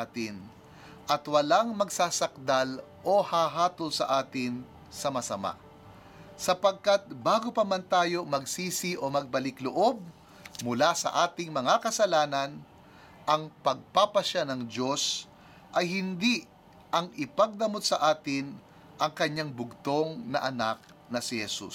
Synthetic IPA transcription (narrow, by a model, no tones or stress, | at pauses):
t̪ɪn | ʔɐt̪wɐlaŋmɐɡsaːsɐk̚d̪al | ʔo̞haːɦaːt̪olsɐ̰ʔaːt̪ɪn | sɐmɐsɐma̰ʔ | sɐpɐɡ̚kat̪̚baːɡopɐmɐnt̪aːjo̞mɐɡsiːsɪʔo̞mɐɡ̚bɐlɪkloʔo̞b̚ | mʊlasɐ̰ʔaːt̪ɪŋmɐŋakɐsɐlaːnɐn | ʔɐŋpɐɡ̚papɐʃanɐŋd͡ʒo̞s | ʔɐjhɪnd̪iʔ | ʔɐŋɪpɐɡ̚d̪ɐmot̪̚sɐʔaːt̪ɪn | ʔɐŋkɐɲːaŋbʊɡ̚t̪o̞ŋnɐ̰ʔɐnak̚ | nɐsɪhɛsṵ